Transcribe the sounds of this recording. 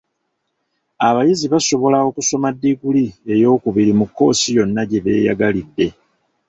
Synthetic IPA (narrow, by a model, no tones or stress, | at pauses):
aβajiziβaso̞βo̞lawo̞kuso̞madːiɡulie̞jo̞ːkuβiɾimukːo̞ːsijo̞nːaɟe̞βe̞̰ːja̰ɡalidːe̞